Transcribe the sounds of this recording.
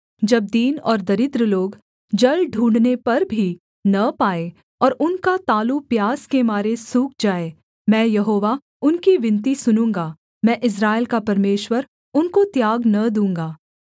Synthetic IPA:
d͡ʒɐb̚d̪iːnɔːɾd̪ɐɾɪd̪ɾəloːɡ | d͡ʒɐlɖʱũːɳɖnepɐɾbʱi | nɐpaːe | ɔːɾʊnkat̪aːlupjaːskemaːɾesuːk̚ʰd͡ʒaːeː | mɛ̃ːjɐɦoːʋa | ʊnkiʋɪ̃nt̪̬isʊnũːŋɡa | mɛ̃ːʔɪs̬ɾaːɪlkapɐɾmeːʃwəɾ | ʊnkot̪jaːɡnɐd̪ũːŋɡaː

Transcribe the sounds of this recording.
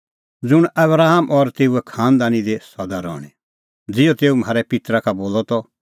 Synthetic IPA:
d͡zʊɽ̃ɐbɾaːɦamʔɔɾt̪eːuɛkʰãːnd̪aːnid̪esɔd̪aɾɔ̰ːɽ̃e | d͡zɪjɔt̪eːum̤aːɾɛpɪt̪ɾakaboːlɔt̪ɔ

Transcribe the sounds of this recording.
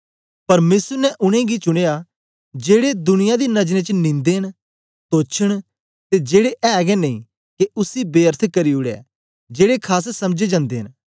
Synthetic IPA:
pɐɾmeːsəɾnɛʔʊɽ̃ẽɡit͡ʃʊɽ̃eːja | d͡ʒeːɽed̪ʊnɪjad̪enɐd͡ʒɾẽt͡ʃnĩːnd̪eɦən | t̪oːt͡ʃʰəɽ̃ | t̪ed͡ʒeːɽeʔɛːɡɛnɐĩ | keʊsibeːəɾt̪ʰkɐɾiʊɽɛ̰ː | d͡ʒeːɽekʰaːs̬sɐmd͡ʒed͡ʒãːnd̪eːɦən

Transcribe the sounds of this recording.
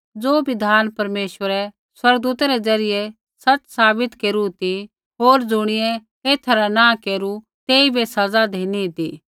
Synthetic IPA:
d͡zoːbɪd̪ʱaːnpɐɾmeːʃʋəɾɛ | swɐɾɡ̚d̪uːt̪ɛɾɛd͡zɐɾɪjɛ | sɐt͡ssaːbɪt̪keːɾut̪i | ɦoːɾd͡zʊɽ̃ɪjɛ | eːt̪ʰɐɾanãkeːɾu | t̪eːibesɐd͡zad̪ʱeːnit̪iː

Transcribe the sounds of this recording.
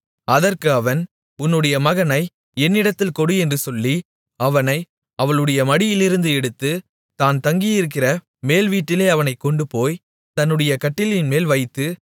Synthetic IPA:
ɐðɐrkɯɐʋɐn | ʊnːɯɽɐjɐmɐɣɐnɐɪ | ɛnːɪɽɐt̪ːɪlkɔɽɯɛndrɯsɔlːi | ɐʋɐnɐɪ | ɐʋɐɭɯɽɐjɐmɐɽɪjɪlɪɾɯnd̪ɯɛɽɯt̪ːɯ | t̪aːnt̪ɐŋɡijɪɾɯk̬ːɪrɐ | meːlʋiːʈːɪleːɐʋɐnɐɪkːɔɳɖɯpoːj | t̪ɐnːɯɽɐjɐkɐʈːɪlɪnmeːlʋɐɪt̪ːɯ

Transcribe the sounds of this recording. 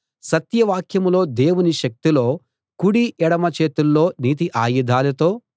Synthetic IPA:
sɐt̪jɐʋaːkʰjɐmlo̞ːd̪e̞ːwuniʃɐk̚t̪iloː | kuɽiʔɛɽɐmɐt͡ʃeːt̪ulːoːniːt̪̬iʔaːjud̪ʱaːlɐt̪o̞ː

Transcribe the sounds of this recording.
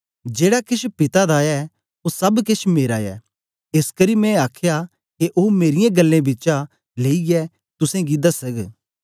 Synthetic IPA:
d͡ʒeːɽakɪʃpɪt̪ad̪aɛ | osɐbkɪt͡ʃmeːɾajɛ̰ː | ɪskɐɾimɛ̃aːkʰja | keʔoːmeːɾɪjãɡɐlːẽbɪt͡ʃa | leːiɡɛ | t̪ʊsẽɡid̪asɐk

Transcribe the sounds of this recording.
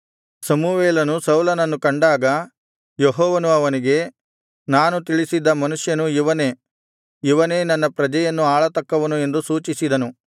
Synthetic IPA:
sɐmuʋeːlɐnusɐwlɐnɐnːukɐɳɖaːɡɐ | jeɦɔːʋɐnuɐʋɐniɡe̞ | naːnut̪iɭisid̪ːɐmɐnuʂjɐnuiʋɐne̞ː | iʋɐne̞ːnɐnːɐpɾɐd͡ʒɐjɐnːuaːɭɐt̪ɐkːɐʋɐnue̞nd̪usuːt͡ʃisid̪ɐnu

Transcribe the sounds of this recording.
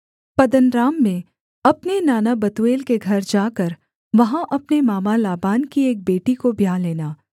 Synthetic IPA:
pɐd̪ənɾaːmːẽ | ɐpnenaːnabɐt̪ueːlkeɡʱɐɾd͡ʒaːkəɾ | ʋɐɦãʔɐpnemaːmalaːbaːnkieːk̚beːʈikobʱjaːleːnaː

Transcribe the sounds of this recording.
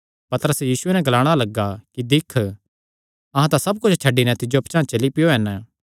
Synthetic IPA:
pɐt̪əɾəsjiːsʊenɛ̃ɡɐlaːɽ̃alɐɡakid̪ɪkʰ | ɐɦãt̪ãsɐb̚kʊt͡ʃʰt͡ʃʰɐɖːinɛ̃t̪ɪd͡ʒoɐpt͡ʃãːt͡ʃɐlipɪjoɦɛn

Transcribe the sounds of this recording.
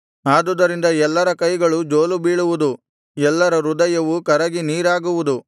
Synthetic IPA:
aːd̪ud̪ɐɾind̪ɐɛlːɐɾɐkɐjɡɐɭud͡ʒoːlubiːɭuʋud̪u | ɛlːɐɾɐɾud̪ɐjɐʋukɐɾɐɡiniːɾaːɡuʋud̪u

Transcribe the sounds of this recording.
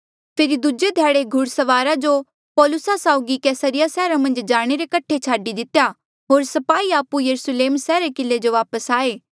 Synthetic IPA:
pʰɪɾid̪ud͡ʒed̪ʱjaːɽeɡʱʊɽsɐʋaːɾad͡ʒo | pɔːlʊsasaːʊɡikɛːsəɾɪjasɛːɾamɐ̃nd͡ʒd͡ʒaːɽ̃eɾekɐʈʰet͡ʃʰaːɖid̪ɪt̪eja | ɦoːɾsɐpaːiaːpujɐɾusleːmsɛːɾekɪlːed͡ʒoʋaːpəsaːeː

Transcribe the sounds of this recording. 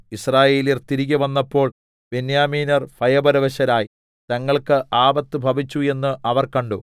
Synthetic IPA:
israːje̞ːlirt̪iɾiɣʲɐʋɐnːɐpːo̞ːɭ | benjaːmiːnɐrfʰɐjɐbɐɾɐʋɐɕɐnaːji | t̪ɐŋːɐɭkɨʔaːbɐt̪ːɨbʱɐbit͡ɕːue̞nːɨʔɐʋɐrkɐɳɖo

